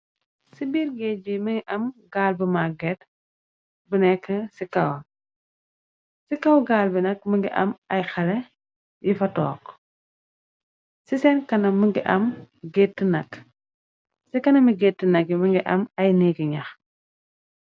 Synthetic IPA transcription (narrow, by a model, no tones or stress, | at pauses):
sibiːɾɡeːbiməŋɡiʔɐmɡaːlbəmaɡɛt | bənɛkːɐsikɐw | sikɐwɡaːlbinɐk̚məŋɡiʔɐ̰mɐjxɐlɛ | jifɐtɔ̰ːk | sisɛnkɐnɐmːəŋɡiʔɐm | ɡetːənɐk | sikɐnɐmiɡeːtːinɐkːiməŋɡiʔɐmɐjniɡiɲɐx